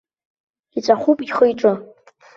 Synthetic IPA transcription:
it͡sʷʼaχʷupʼiχəjʈ͡ʂʼɨ

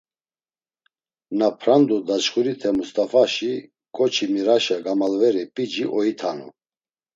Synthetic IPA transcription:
napʰɾand̪ud̪at͡ʃχuɾit̪ʰɛmust̪ʼafaʃi | kʼɔt͡ʃʰimiɾaʃaɡamalvɛɾipʼid͡ʒiʔɔit̪ʰanṵ

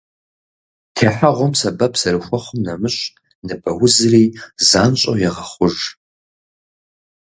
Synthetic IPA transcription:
tʰeːħaʁʷɔmsɐbɐpʰsɐɾɨxʷɔχʷʊmnɐmɨɕʼ | nɨbɐwʊzɨriːzaːnɕʼo̰jɛʁɐχʷʊʒ

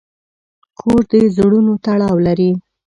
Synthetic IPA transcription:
kʰoɾd̪əzɽunot̪aɽɑwlaɾi

